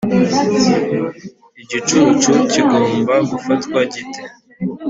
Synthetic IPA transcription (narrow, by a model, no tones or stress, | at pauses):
iɟit͡ʃut͡ʃuciɡo̞ːmbaɡufatkwaɟitʰe